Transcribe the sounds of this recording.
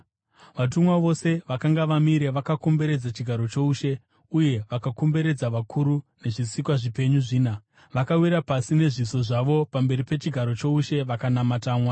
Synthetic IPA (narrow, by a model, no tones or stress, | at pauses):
ʋat̬umwaʋo̞se̞ʋakaŋɡaʋamiɾe̞ʋakako̞mbe̞ɾe̞d͡zat͡ʃiɡʱaɾo̞t͡ʃo̞uʃe̞ | uje̞ʋakako̞mbe̞ɾe̞d͡zaʋakʰuɾune̞ʐisikwaʐipe̞ɲuʐiːna | ʋakawiɾapasine̞ʐiso̞ʐaʋo̞pambe̞ɾipe̞t͡ʃiɡʱaɾo̞t͡ʃo̞uʃe̞ʋakanamataːmwa